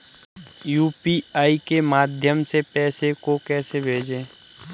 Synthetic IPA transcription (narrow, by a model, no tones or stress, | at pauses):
juːpiaːikemaːd̪ʱjəmsepɛːsekokɛːsebʱeːd͡ʒẽː